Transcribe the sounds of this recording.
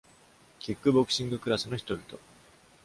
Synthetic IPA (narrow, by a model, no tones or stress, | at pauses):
kʲikːɯ̟bo̞kɯ̟ɕĩŋɡɯ̟kɯ̟ɾasɨno̞çi̥t̪o̞bʲit̪o̞